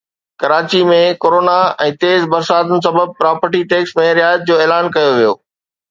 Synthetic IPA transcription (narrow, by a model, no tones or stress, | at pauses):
kɐɾaːt͡ɕimẽkoːɾoːnaɛ̃ːt̪eːzbɐɾsaːd̪ənɪ̆s̬ɐbəb̚pɾaːpəɾʈiʈeːksmẽɾɪjaːɪət̪̚d͡ʑoːeːlaːnkɐjoʋijoː